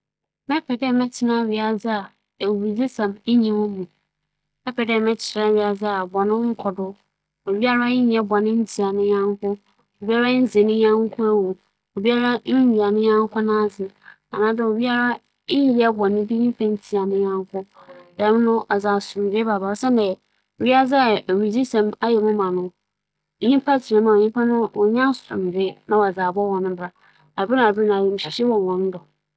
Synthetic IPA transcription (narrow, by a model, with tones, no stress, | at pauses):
mɛ˦pʰɛ˨dɛ˦˨mɛ˦t͡ɕʰɪ˨nã˦ɥi˨a˨d͡zɪ˦a˨ | e˨wwi˨d͡zi˦sã˨me˦ɲĩ˨mʊ̃˦mũ˨ | mɛ˦pʰɛ˨dɛ˦˨mɛ̃˦t͡ɕʰɪ˨ɾã˦ɥi˨a˨d͡zɪ˦a˨bɔ˨nɪ̃˦ŋ̩˦kʰɔ˨dʊ˦ | o˨bi˦a˦ɾa˦ɪ˦ɲ˨ɛ˦bɔ˨nɪ̃˦n̩˦tʰi˨a˨nɪ̃˦ɲã˦ŋ˦kʰʊ˦ | o˨bi˦a˦ɾa˦n̩˦d͡zɪ˨nɪ̃˦ɲã˦ŋ˦kʰʊ˦ɛ˦wu˨ | o˨bi˦a˦ɾa˦n̩˦ɥi˨a˨nɪ̃˦ɲã˦ŋ˦kʰʊ˦nã˦˨sɪ˨ | a˨nãː˨˦dɛ˨o˨bi˦a˦ɾa˦ | ɪ˦jɛ˦bɔ˨nɪ̃˦bi˦ɲĩ˦pʰã˦n˦tʰi˨a˨nɪ̃˦jã˦ŋ˦kʰɔ˦ | dɛ˨˦m̃˦nʊ̃˦ʔa˨d͡za˨sʊ˨ɾbɛ˦ba˨ba˨ɾsɛ˦n˦dɛ˨ | ɥi˦a˦d͡za˦˨ɥi˨d͡zi˦sɛ̃˨ma˦jɛ˨mʊ̃˦mã˨nʊ̃˦˨ | ɲĩ˦pʰa˦tʰi˨ɾɛ˨mã˨o˨ɲĩ˦pʰa˦nʊ̃˦wɔ˨ɲã˦sʊ̥˨ɾʊ̰̃˨m˨de˦nã˨ɔ˨a˨d͡za˨bɔ˦wɔ̃˨nʊ̃˦bɾa˨ | a˨bɪ˦nã˨bnã˨i˨m̩˨ɕi˨ɕi˦wɔ̃˨wɔ̃˨n˦dɔ˨